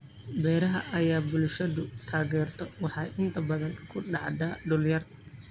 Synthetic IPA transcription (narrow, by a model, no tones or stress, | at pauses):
bɛːɾɐɦɐʔɐjaːbʊlʃɐðʊt̪ʰaːɣɛːrt̪ʰɔwɑħɑjʔɪnt̪ʰɐbɐðɐnkʰʊɖɑʕd̪aːɖʊljɐr